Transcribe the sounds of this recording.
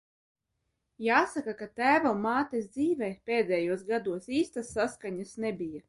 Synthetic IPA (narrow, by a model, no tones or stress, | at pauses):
jaːsakakat̪æːvamːaːt̪ɛsd̪ziːvɛːpʲeːd̪ʲɛjuɔsɡad̪uɔsiːst̪asːaskaɲasnɛbʲija